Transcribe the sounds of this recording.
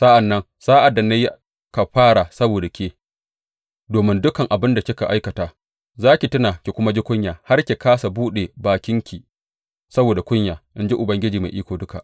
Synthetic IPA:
sa˦ʔa˨nːɐ˦ŋ | saː˦ʔa˨da˨ne˦j | ka˨ɸaː˦ɽa˨sɐ˦boː˨da˨kʲeː˦ | doː˨mɪ˦ndʊ˦kɐ˨ŋʔa˨bɪ˦nda˨kʲɪ˦ka˨ʔa˦jkɐ˨taː˨ | zaː˦kʲi˨tɪ˦naː˨kʲe˨kʷʊ˦ma˦d͡ʒi˦kʷʊ˦ɲjaː˨ha˦rkʲe˨kaː˦sa˨buː˦ɗe˨baː˨kʲɪ˦ŋkʲiː˨ | sɐ˦boː˨da˨kʷʊ˦ɲjaː˨ʔɪ˦nd͡ʒi˦ʔʊ˨bɐ˦ŋɡʲɪ˦d͡ʒiː˨ma̰˨ʔiː˦kʷoː˨dʊ˦ka̰˨ʔ

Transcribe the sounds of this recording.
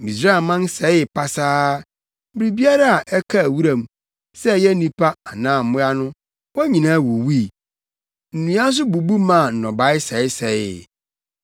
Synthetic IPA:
mĩ˨s̬ɾa˦˨mã˦n˦sɛ˨˦ɪ˨pʰa˨saː˦ | m̩˦bɾi˨bi˦a˦ɾa˦a˨ʔɛ˦kʰa˦˨wu˦ɾã˨m | sɛ˦˨jɛ˦nĩ˦pʰa˦a˨nãː˨˦˨m̩˨mʊ̃˦a˦nʊ̃˦ | wɔ˦ɲĩ˨nãː˦wo˨wi˦˨ | n̩˨nũ˨˦ã˦s̬ʊ˦bu˨bu˦mã˦˨n̩˨nɔ̃˨ba˨˦ɪ˦sɛ˨˦ɪ˦sɛ˨˦j

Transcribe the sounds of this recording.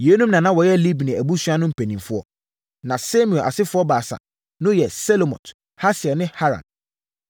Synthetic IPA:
je˨˦nũ˦mnã˨nã˦wɔ˨jɛ˦li˦bnɪ̃˨æ˨bu˦sɥa˦nʊ̃˦m̩˨pʰɛ˨nĩ˨mfʊ˦ɔ˦ | nã˨sɛ˦mĩ˨ɛ˨ʔa̰˨sɪ˦fʊ˦ɔ˦baː˨sa̰˨ | nʊ̃˦jɛ˨sɛ˦lo˨mɔ̰̃˨t | ha˦sɪ˨ɛ˨nɪ̃˦ha˦ɾã̰˨n

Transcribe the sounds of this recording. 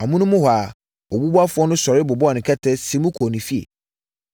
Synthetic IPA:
a˨mʊ̃˦nʊ̃˦mʊ̃˦ha˨ | ɔ˨bu˦bu˦a˦fʊ˦ɔ˦nʊ̃˦sɔ˨ɾɪ˦bʊ˨bɔ˦ɔ˨nɪ̃˨kʰɛ˦tʰɛ˦sĩ˨˦mʊ̃˦kʰo˨nĩ˨fi˦ḛ˨

